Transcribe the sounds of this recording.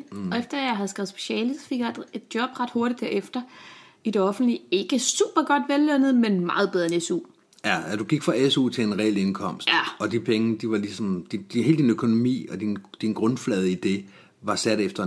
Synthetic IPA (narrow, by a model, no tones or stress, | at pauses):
ɒ̽efd̥ɐæjɑ̈ɪɦæð̞̩ˠsɡ̥ɛːʊð̩ˠsb̥e̝̥ɕɛ̰ːləsɒfe̝ɡ̥jɑd̥e̝d̥jɒ̽b̥ʁɑ̈d̥ho̝ɐɾid̥hæ̰ɐefd̥ɐ | id̥e̝ɒ̽fn̩d̥lie̝ɡ̥əsṵːb̥ɐɡ̥ɒ̽d̥ʋelːønð̩ˠmenmɑ̈ːð̞̩ˠbeð̞ˠɐenesṵː | jææd̥uɡ̥iɡ̥fʁɑ̈esṵːt͡sʰe̝enʁɛele̝nkʰɒ̽m̰sd̥ɒ̽d̥ipʰeŋd̥iʋɑ̈lisɒ̽md̥id̥he̝ːld̥inøkʰo̝no̝mḭːɒ̽d̥ind̥inɡ̥ʁɔ̽nflɛːð̞ˠid̥e̝ | ʋɑ̈sæd̥efd̥ɐ